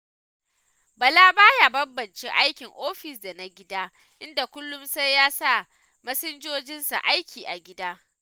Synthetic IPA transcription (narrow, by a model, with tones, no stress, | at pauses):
bɐ˨laː˦baː˦ja˨bɐ˦bbɐ˨nt͡ʃe˦ʔa˦jkʲɪ˨ŋʔoː˦ɸɪ˨sda˨na˦ɡʲɪ˦daː˦ | ʔɪ˦nda˨kʷʊ˦lːʊ˦msa˦jjːaː˦sa˦˨ | mɐ˦sɪ˦nd͡ʒoː˦d͡ʒɪ˦nsa̰˨ʔa˦jkʲiː˨ʔa˨ɡʲɪ˦daː˦